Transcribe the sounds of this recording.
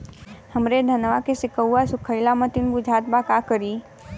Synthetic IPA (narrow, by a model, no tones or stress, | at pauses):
həmɾed̪ʱənʋakesɪkəwːasʊkʰəɪlamət̪inbud͡ʒʱat̪bakakəɾi